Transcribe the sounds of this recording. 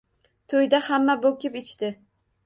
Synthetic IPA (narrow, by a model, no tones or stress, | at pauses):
t̪ʰojd̪ahamːabokʲɪpɪt͡ʃt̪ɪ